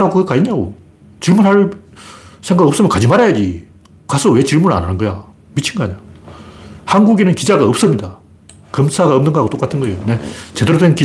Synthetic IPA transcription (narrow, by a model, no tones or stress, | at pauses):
ɾaɡokekaɲiɲao | t͡ɕiɭmunɦaɭ | sʰe̞ŋɡaɡʌp̚s͈ɯmjʌkad͡ʑimaɾajad͡ʑi | kasʰowe̞t͡ɕiɭmuɾɯɭa̰nanɯnɡʌja | mit͡ɕʰiŋɡaɲo | hanɡuɡenɯnkid͡ʑaɡaʌp̚s͈ʌmɲida | kɯmsʰaɡaʌmnɯnŋɡʌɦaɡot͈ok͈atʰɯnɡʌejonet͡ɕe̞deɾodwenki